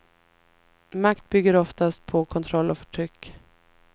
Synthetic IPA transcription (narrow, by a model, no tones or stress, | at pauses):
makt̪̚bʏɡːəɾɔft̪ast̪̚pʰɔkʰɔnt̪ʰɾɔlːɔfœʈʰɾʏkː